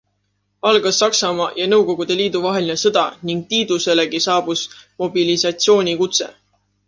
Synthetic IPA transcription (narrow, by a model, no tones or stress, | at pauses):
ɑlɡ̥ɑsːɑksɑmɑjɑnɤ̞wko̞ɡ̥ud̪̥e̞liːd̪̥uvɑɦe̞line̞sɤd̪̥ɑniŋɡ̥̚t̪iːd̪̥use̞leɡisɑːb̥usmo̞bilisɑt̪sio̞ːnʲikut̪se̞̰